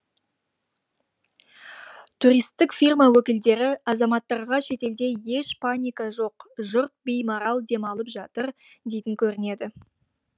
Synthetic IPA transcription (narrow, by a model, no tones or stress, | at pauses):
t̪ʰuɾijst̪ːɪkfʲirmɑwɵkʲɪld̪e̞ɾɪɑzɑmɑt̪ːɑɾʁɑʃe̞t̪e̞ld̪e̞je̞ʃpʰanʲijkɑʒo̞qʒʊɾt̪̚bejmoɾɑlˠd̪e̞mɑlˠəpʒɑt̪əɾ | d̪e̞jt̪ɪŋkʲʰɵɾɪne̞d̪ɪ